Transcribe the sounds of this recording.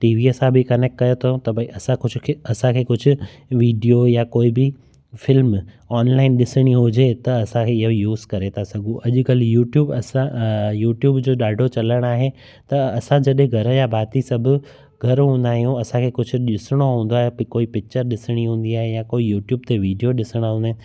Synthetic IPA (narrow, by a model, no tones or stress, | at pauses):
ʈiːʋiɐsãbʱɪkɐneːkʈkɐjot̪ʰot̪ɐbʱɐĩʔɐsãkʊd͡ʑʱʊkʰɐsãkʰeːkʊd͡ʑʱʊ̆ | ʋiːɖijojakoːibɪ | fɪlm | ɔːnlaːɪnɗɪsɪɽ̃iɦʊd͡ʑet̪ɐɐsãkʰeɪɦojuːzkɐɾet̪ʰasɐɡʱũʔɐʄʊ̆kɐljuːʈjuːbɐsãjuːʈjuːbd͡ʑoːɗaːɖʱot͡ɕɐləɽ̃aːɦe | t̪ɐɐsãd͡ʑɐɗɦẽɡʱɐɾəjabʱaːt̪isɐbʱʊ̆ | ɡʱɐɾɦũːn̆d̪aːɦijũɐsãkʰeːkʊd͡ʑʱʊ̆ɗɪsɪɽ̃oɦũːnd̪oaːɦekoːipɪk̚t͡ɕəɾɗɪsɪɽ̃iɦũːn̆d̪iaːɦejãkoːijuːʈjuːbt̪eʋiːɖijoɗɪsəɽ̃aɦũːnd̪aːɦ